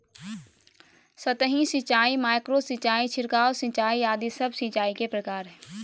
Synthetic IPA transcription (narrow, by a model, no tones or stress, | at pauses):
sət̪əɦĩsɪt͡ʃaːimaːɪkɾosɪt͡ʃaːit͡ʃʰɪɾkaɔːsɪ̃t͡ʃaːiaːd̪isəbsĩt͡ʃaːikepɾəkaːɾɦɛː